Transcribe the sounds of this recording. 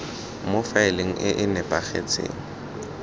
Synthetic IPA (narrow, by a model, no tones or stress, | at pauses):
mofaɪleŋ̩ʔɪʔɪnɛpʼaχḛt͡sʰʼḛːŋ̩